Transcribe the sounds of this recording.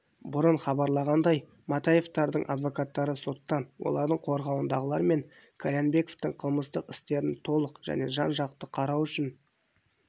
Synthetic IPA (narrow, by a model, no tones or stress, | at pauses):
bʊɾəɴχɑbɑɾlˠɑʁɑnd̪ɑj | mɑt̪ɑje̞ft̪ɑɾd̪əɴʔɑ̰d̪vo̞kɑt̪ːɑɾəso̞t̪ːɑnwʔo̞̰lˠɑɾd̪əɴqʰo̞ɾʁɑwənd̪ɑʁəlˠɑɾme̞ŋ | kʰolʲenbe̞ko̞ft̪əɴqʰəlˠməst̪əqɪst̪e̞ɾɪnt̪ʰo̞lˠəqʒ̥æ̰ne̞ʒɑnʒɑqt̪əqʰɑɾɑwʏʃɪn